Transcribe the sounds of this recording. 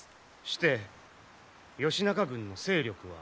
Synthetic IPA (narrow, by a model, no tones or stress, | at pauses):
ɕi̥t̪e̞ | jo̞ɕinakaɡɯ̟̃nːo̞se̞ːɾʲo̞kɯ̟βa̰